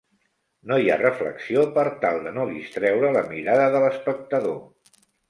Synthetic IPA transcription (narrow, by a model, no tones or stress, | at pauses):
nojarəflə̰ksiopəɾt̪alˠd̪ənoðist̪ɾɛwɾələmiɾaðəðələspək̚t̪əðo